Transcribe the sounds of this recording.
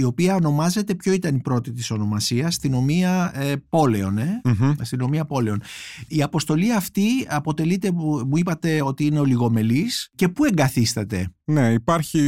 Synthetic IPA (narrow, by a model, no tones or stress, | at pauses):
io̞piɐo̞no̞mɐze̞t̪e̞pço̞it̪ɐnipɾo̞t̪it̪iso̞no̞mɐsiɐst̪ino̞miɐpo̞le̞o̞nest̪ino̞miɐpo̞le̞o̞niɐpo̞st̪o̞liɐft̪iɐpo̞t̪e̞lit̪e̞muipɐt̪e̞o̞t̪iine̞o̞liɣo̞me̞lisce̞pue̞ŋɡɐθist̪ɐt̪e̞̰ne̞ipɐɾçi